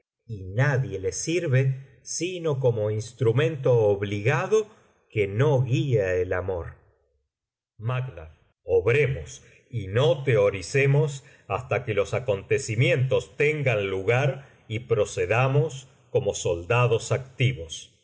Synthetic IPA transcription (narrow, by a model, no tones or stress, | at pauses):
inaðje̞lesiɾβe̞ | sino̞k̬o̞mo̞inst̪ɾumẽ̞nt̪o̞ːβliɣaðo̞ | keno̞ɣieelamo̞ɾ | makd̪a̰ | oβɾe̞mos | inot̪eoɾisemos | ast̪akelo̞sako̞nt̪e̞simje̞nt̪o̞st̪eŋɡanluɣaɾ | ipɾo̞se̞ðamo̞s | ko̞mo̞so̞ld̪aðosak̚t̪iβo̞s